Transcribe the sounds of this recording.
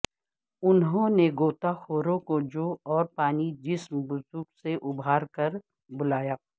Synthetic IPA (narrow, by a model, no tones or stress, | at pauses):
ʊnɦõneɡoːt̪axoːɾõkod͡ʒoːɔːɾpaːnid͡ʒɪsmbʊzʊɾɡseʔʊbʱaːɾkɐɾ | bʊlaːjaː